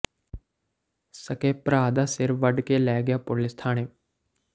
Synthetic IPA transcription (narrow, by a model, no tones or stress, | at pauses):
səkeːpɾaːd̪aːsɪɾʋəɖkelɛːɡjaːpʊlɪst̪ʰaːnẽː